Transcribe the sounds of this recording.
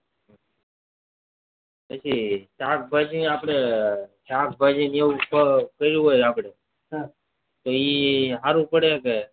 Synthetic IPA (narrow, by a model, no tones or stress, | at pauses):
pət͡ʃʰiʈak̚bʱəd͡ʒiaːpɽ̃eʈaːkbʱəd͡ʒineupəkəɾũɦojapɽe | t̪oiɦaɾũpəɽeke